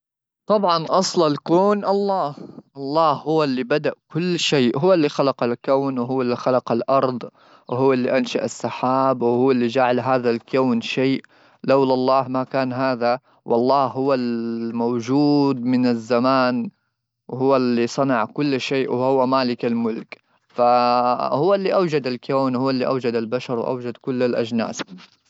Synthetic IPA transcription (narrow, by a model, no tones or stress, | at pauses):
t̪ˤɑbʕɑnʔɑsˤlalkoːnʔɑlˤːɑːhʔɑlˤːɑːhhʊwːalːibad̪aʔkʊlːʃeːʔɦʊwːalːixalɑqalkawnwɦʊwːalːixalɑqalʔɑɾˤd̪ˤ | whʊwːalːiʔanʃaʔasˤːɑħaːbwhʊːalːid͡ʒaʕalɦaːðalkawnʃeːʔ | lawlɑlˤːɑːhmakaːnɦaːða | wʔɑlˤːɑːhhʊwːalmawd͡ʒuːd̪mɪnazːamaːn | wɦʊwːalːisˤɑnɑʕkʊlːʃeːʔwhʊwːamaːlɪkalmʊlk | fahʊwːalːiːʔawd͡ʒad̪alkaːnwhʊːalːiʔawd͡ʒad̪albaʃɑɾˤwʔa̰wd͡ʒad̪kʊlːalʔad͡ʒna̰ːs